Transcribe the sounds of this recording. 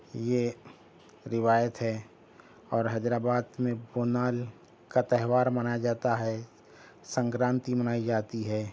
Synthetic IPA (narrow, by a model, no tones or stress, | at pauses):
je | ɾɪʋaːjət̪ɦɛ | ɔːɾɦɐd͡ʒɾaːbaːd̪mẽboːnaːl | kat̪ɛɦʋaːɾmɐnad͡ʒaːt̪aɦɛ | sə̃ŋkɾãːnt̪imənaːid͡ʒaːt̪iɦɛː